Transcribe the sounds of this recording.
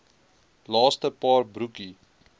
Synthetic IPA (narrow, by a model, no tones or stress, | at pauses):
lɑːstəpɑːrbɾuki